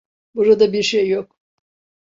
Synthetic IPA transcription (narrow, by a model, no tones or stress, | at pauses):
buɾad̪abiɾʃejːok